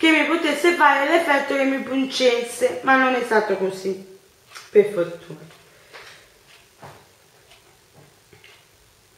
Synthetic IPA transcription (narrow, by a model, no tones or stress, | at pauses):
k̟emːipot̪esːefaːɾelɛfɛt̪ːokemːipunt͡ʃesːemanːonɛst̪aːt̪okosi | peɾfot̪ʰuːno